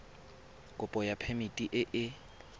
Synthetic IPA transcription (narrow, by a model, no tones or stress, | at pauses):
kʼʊpʼɔjapʰemitʼiʔɪʔɪ